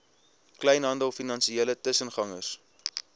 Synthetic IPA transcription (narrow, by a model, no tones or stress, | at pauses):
klɛjnɦɐndəlˠfinɐnsielətəsənχɐŋəs